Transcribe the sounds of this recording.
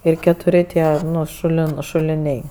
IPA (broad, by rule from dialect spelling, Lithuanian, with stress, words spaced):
ɪr kʲɛtʊˈrʲɪ ˈtʲiɛ ˈnʊ ˈʃʊlʲɪn ʃʊlʲɪˈnʲɛɪ